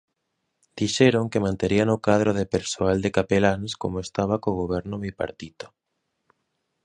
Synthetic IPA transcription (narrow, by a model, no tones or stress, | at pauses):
d̪̥iʃeɾoŋkemãnt̪eɾianokað̞ɾoðepeɾsoald̪ekapelanskomoest̪aβakoɣoβ̞ɛɾnoβipa̰ɾt̪it̪o̥